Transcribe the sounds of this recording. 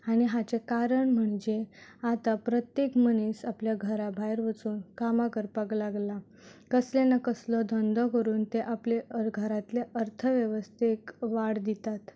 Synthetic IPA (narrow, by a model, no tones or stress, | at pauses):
aɽ̃iɦat͡sekaɾəɳm̤əɳd͡ʑeat̪apɾət̪jekməniːsapljaɡʱəɾabʱajɾʋət͡suːnkamakəɾpaklaɡla | kəslenakəslɔd̪ʱɔnd̪ʱɔkəɾuːnt̪eʔapleəɾɡʱəɾat̪leʔəɾt̪ʰəʋjəʋəst̪ʰekʋaɽd̪it̪at̪